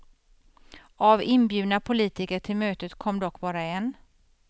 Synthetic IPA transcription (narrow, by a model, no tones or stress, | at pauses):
avɪnbjʉ̟ːd̪napʰʊliːt̪ɪkəʈʰɪlmøːt̪ət̪kʰɔmːd̪ɔkːbɑːɾaɛn